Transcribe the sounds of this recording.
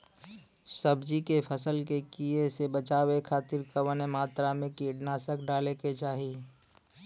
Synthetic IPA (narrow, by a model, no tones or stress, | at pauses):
səbd͡ʒikepʰəsəlkekiesebət͡ʃaːwekʰaːt̪ɪɾkəʋənemaːt̪ɾamẽkiɖnaːsəkɖaːleket͡ʃaːɦiː